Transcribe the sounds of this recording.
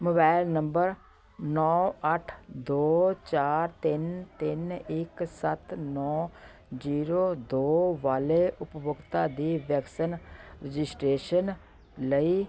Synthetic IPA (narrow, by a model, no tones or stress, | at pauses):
moːbaːɪlnəmbəɾ | nɔːəʈʰd̪oːt͡ʃaːɾt̪ɪnt̪ɪnɪksət̪nɔː | d͡ʒiːɾoːd̪oːʋaːleːʔʊpbʊkt̪aːd̪iːʋjəksənɾəd͡ʒɪsʈɾeːʃən | ləiː